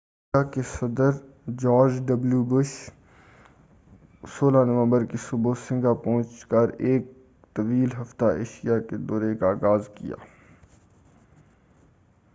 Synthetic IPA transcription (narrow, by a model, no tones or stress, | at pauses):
akesɐd̪əɾ | d͡ʒɔːɾd͡ʒɖɐbljubʊʃ | soːlanəʋə̃mbəɾkesʊbosɪ̃ŋɡapɔ̃ːt͡ʃkəɾeːk̚ | t̪ɐʋiːlɦɐft̪aḛːʃijaked̪ɔːɾekaːɣaːzkḭja̰ː